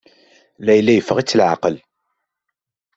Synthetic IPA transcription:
læjlːæjəfːəʁit͡sːəlʕa̰qəl

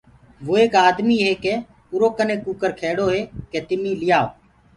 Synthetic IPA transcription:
ʋoːeːkaːd̪miːɦeːkeː | ʊɾoːkənẽːkuːkəɾkʰeːɽoːɦeːkeːt̪ɪmĩːlɪjaː

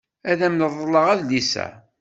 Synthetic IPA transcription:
æðæmnəðˤːəlːəʁæðlisæ̰

